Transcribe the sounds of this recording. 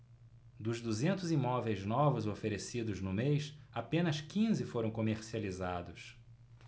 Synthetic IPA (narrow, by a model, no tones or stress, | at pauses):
d̪ʊzd̪uzẽnt̪ʊzimɔvejznɔvʊzofeɾesid̪ʊznʊmejʃapẽnɐskĩzɪfoɾɐ̃w̃komeɾsializad̪ʊs